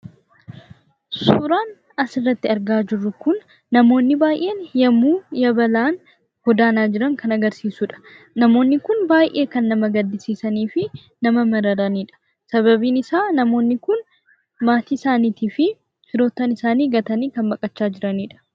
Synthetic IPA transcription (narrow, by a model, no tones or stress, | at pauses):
suːɾaːn | ɐsɪrːɐt̪ːɪɐɾɡaːd͡ʒɪrːʊkʊnː | ɐmo̞ːnːɪbaːjʔe̞ːnjɐmːuːjɐbɐlaːn | hɔd̪aːnaːd͡ʒɪɾɐŋkʰɐnɐɡɐɾsiːsuᶑɐ̥ | nɐmo̞ːnːɪkʊnbaːjʔʔe̞ːkɐnːɐmɐɡɐd̪ːɪsiːsɐniːfɪ | nɐmɐmɐɾɐɾɐniːᶑɐ̥ | sɐβɐbiːnɪsaːnɐmo̞ːnːɪkʊn | maːt̪iːsaːniːt̪iːfɪ | t͡ʃɪɾo̞ːt̪ːɐnɪsaːniːɡɐt̪ɐniːkɐnbɐkʼɐt͡ʃːaːd͡ʒɪɾɐniːᶑɐ̥